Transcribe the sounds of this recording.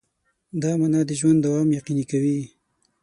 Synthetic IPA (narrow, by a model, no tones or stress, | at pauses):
d̪ɑmanɑd̪əʒwand̪awɑmjaqinikawi